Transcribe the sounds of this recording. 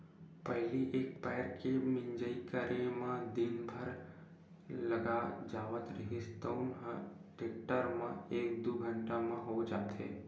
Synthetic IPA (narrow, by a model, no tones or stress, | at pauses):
pɛɦliʔeːk̚pɛːɾkemɪ̃ɲd͡ʒəikəɾẽmãd̪ɪnbʱəɾ | lɐɡad͡ʒaːʋət̪ɾəɦist̪əːnɦəʈeːk̚ʈəɾmãeːk̚d̪uːɡʱə̃ɳʈamãɦod͡ʒaːt̪ɦḛː